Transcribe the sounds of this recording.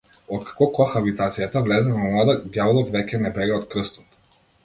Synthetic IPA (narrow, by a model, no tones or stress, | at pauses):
ɔt̪̚kḁkɔkɔxabit̪at̪sijat̪avlɛzɛvɔmlˠad̪aɡʲjavlˠɔt̪vɛcʲɛnɛbɛɡaɔt̪kɾəst̪ɔ̥t̪